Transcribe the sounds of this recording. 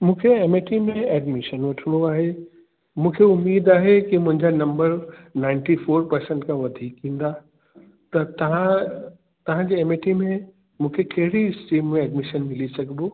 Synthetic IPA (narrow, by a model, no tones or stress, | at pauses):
mũːkʰeeːmeʈimẽɛːɖmɪʃənʋɐʈʰənoaːɦe | mũːkʰeʊmːiːd̪aːɦekimʊ̃ɦɪ̃ɲd͡ʑanɐ̃mbəɾnãːɪ̃ɳʈifʰoːɾpɐɾsẽɳʈkãʋɐd̪ʱiːkɦĩːnd̪a | t̪ɐt̪ɐʋã | t̪ɐʋ̤ãd͡ʑeeːmeʈimẽ | mũːkʰekɐɦɪɽiɪsʈiːmːẽɛːɖmɪʃənmɪlisɐkʰboː